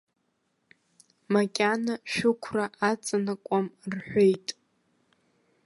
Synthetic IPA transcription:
makʲʼanaʃᶣʊkʷʰraʔat͡sʼanakʷʼamrħʷe̞jtʼ

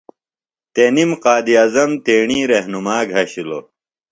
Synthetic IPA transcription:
t̪enimqaːd̪iɐzɐmt̪eːɳĩːɾeɦnumaːɡʱɐɕilo̰

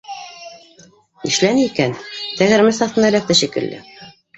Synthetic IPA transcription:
ḭʃlænɘikænt̪æɣɘ̆ɾmɘsɑθt̪ɤnælæk̚t̪æʃikɘ̰̆ld̪ɘ̰

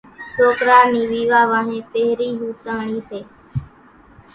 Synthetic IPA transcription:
soːkɾaːɾniːʋiːʋaːʋaːɦẽːpeɦɾiːɦuːt̪aːɳiːseː

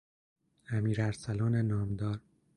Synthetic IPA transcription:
æmiːɾæɾsælɒːnenɒːmd̪ɒːɾ

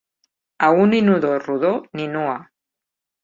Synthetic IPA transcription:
auninuðoruðoninua

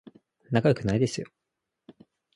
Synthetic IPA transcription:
nakajokɯ̟naid̪esɨjo

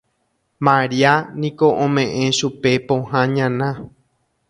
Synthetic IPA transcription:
mãɾianĩko̞ʔõmẽ̞ʔẽ̞ʃupe̞põhãɲãnã

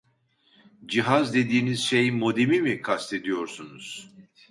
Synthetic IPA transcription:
d͡ʒiɦazd̪e̞d̪iːniz̥ʃe̞jimo̞d̪emimikʰast̪ʰe̞d̪ijo̞ɾsunuz̥

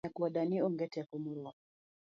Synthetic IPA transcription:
akwaɗaniɔŋɡɛtɛkɔmɔɾɔ

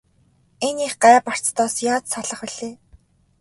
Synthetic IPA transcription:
eniːχɢæːpar̥t͡st̪ʰɔːsjaːt͡ssaɮə̆χiɮ̥eː

